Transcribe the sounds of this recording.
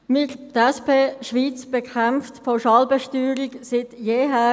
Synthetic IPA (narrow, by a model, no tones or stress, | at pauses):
mɪtdɛspʰeːʃʋiːt͡sb̥ɛkʰχɛmftpʰoʃɑːlbɛʃtyːɾɪksɪtjeːɦæː